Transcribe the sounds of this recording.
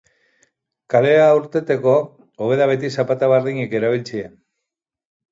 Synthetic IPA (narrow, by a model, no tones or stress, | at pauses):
kale̞auɾt̪e̞t̪e̞ko̞ | oβe̞ðaβe̞t̪isapat̪aβeɾðiɲeke̞ɾaβ̞ilt͡sien